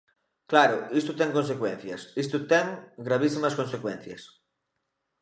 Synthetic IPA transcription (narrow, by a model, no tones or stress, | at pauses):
klaɾʊist̪ʊt̪ɛŋkõnsekwɛn̟θjɐsist̪ʊt̪ɛŋɡɾaβ̞isimɐskõnsekwɛn̟θjɐ̰s